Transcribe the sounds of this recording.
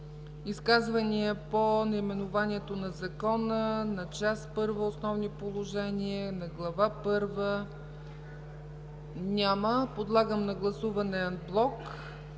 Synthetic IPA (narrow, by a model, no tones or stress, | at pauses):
iskazvəniəponɐimɛnʊvaniɛt̪onɐzɐkɔnənɐt͡ʃaspɤɾvəosnɔvnipolˠoʒɛniənɐɡlˠɐvapɤɾvə | nʲaməpod̪lˠaɡəmnɐɡlˠɐsuvɐnɛːnblˠɔk